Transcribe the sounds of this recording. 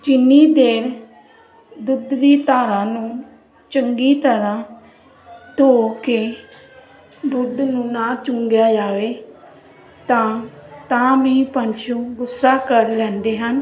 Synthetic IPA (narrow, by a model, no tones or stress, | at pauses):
d͡ʒɪnːiːd̪eːɾ | d̪ʊd̪ʋiːt̪aːɾãːnũː | t͡ʃəŋɡiːt̪əɾãː | t̪oːkeː | d̪ʊd̪nũːnaːt͡ʃʊŋɡjaːd͡ʒaːʋeː | t̪ãːt̪ãːʋiːpə̃ɲt͡ʃʰũːɡʊsːaːkəɾlɛ̃ːnd̪eːɦən